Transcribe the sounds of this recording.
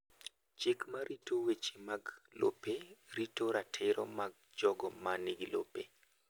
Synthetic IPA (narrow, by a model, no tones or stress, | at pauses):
t͡ʃɪkmaɾʔitowet͡ʃimaɡlo̰peɾitoɾatʰɪɾʔɔ̰maɡ̚d͡ʒɔɡɔmaniɡilo̰pe